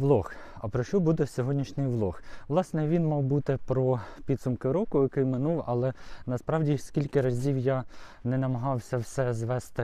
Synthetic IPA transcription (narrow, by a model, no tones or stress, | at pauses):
ʋlˠɔxɐpɾɔʃɔbud̪ɛsʲɔɦɔdʲnʲiʃnʲɪjʋlˠɔxʋlˠɑsnɛʋʲinmɔwbut̪ɪpɾɔpʲid̪sʊmkɪɾɔkʊjɐkɪjmɪnuwɐ̰lˠɛnɐspɾɑwdʲisʲkʲilʲkɪɾɐzʲiwja | nɛnɐmɐɦɑwsʲɐwsɛzʋɛst̪ɪ